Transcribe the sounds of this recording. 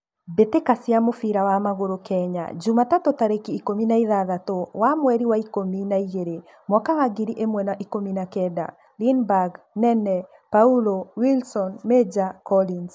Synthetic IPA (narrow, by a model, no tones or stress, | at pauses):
betekasjamofiɾawamaɣoɾokɛɲa̰d͡ʒumatatotaɾekiːkominaiðaðatowamwɛɾiwaikominaiɣeɾe | mwɔkawaɡiɾiʔemwɛnaʔikominakɛda̰ | linbaɡ | nɛnɛ | paulowilsɔnmed͡ʒakɔlin